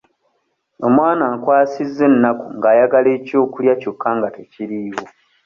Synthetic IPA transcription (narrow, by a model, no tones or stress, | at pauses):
o̞mwaːnaːŋkwaːsizːe̞nːakuŋɡaːjaɡale̞ːco̞ːkuljaco̞kʰːaŋɡate̞ciɾiwo̞